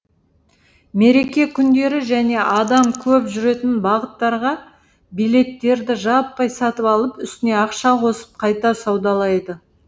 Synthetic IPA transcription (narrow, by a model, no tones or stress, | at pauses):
me̞ɾe̞kʲe̞kʲʰʏnd̪e̞ɾɪʒæne̞ʔɑd̪ɑmkʲʰɵpʒʏɾe̞t̪ɪnbɑʁət̪ːɑɾʁɑ | bijle̞t̪ːe̞ɾd̪ɪʒɑpːɑjsɑt̪əpɑlˠəpʏst̪ɪne̞ɑqʃɑqʰo̞sə̥p̚qʰɑjt̪ɑsɑwd̪ɑlˠɑjd̪ə